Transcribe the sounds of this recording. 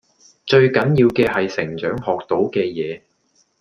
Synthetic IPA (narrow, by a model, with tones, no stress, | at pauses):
t͡ʃɵ˧ɥkɐ˨˥njiː˧wkɛː˧hɐ˨jsɪ˨˩ŋt͡ʃœː˨˥ŋɦɔː˨k̚t̪o˨˥wkɛː˧jɛː˨˧